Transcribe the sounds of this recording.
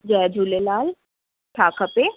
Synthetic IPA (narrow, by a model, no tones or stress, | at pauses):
d͡ʒɛːd͡ʒʱuːlelaːl | ʈʰaːkəpe